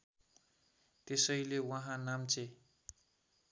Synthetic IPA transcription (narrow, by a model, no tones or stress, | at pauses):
t̪esʌjlewʌɦãnamt͡sʰe